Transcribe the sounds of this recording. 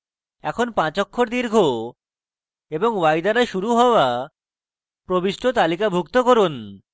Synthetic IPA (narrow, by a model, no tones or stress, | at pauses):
ɛkʰonpãt͡ɕɔkʰːoɾd̪iɾɡʱo | eboŋwajd̪aɾaʃuɾuɦɔoa | pɾobiʃʈʰot̪alikabʱukt̪okoɾun